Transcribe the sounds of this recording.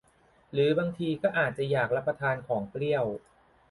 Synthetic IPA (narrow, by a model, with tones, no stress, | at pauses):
ɾɯː˩˦baː˧ŋt̪ʰiː˧kɔː˥˩ʔaː˨˩t̪̚t͡ɕa˨˩jaː˨˩k̚ɾa˦˥pːɾa˧t̪ʰaː˧nkʰɔː˩˦ŋkɾi˥˩əw